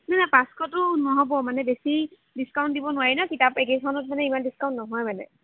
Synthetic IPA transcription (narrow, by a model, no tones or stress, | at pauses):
nanapaskɔtʊnɔɦɔbɔmanɛbesi | diskawntdibɔnʊwaɹinɔkitapeketʰanɔt̚manɛimandiskaw̃ntnɔɦɔjmanɛ̰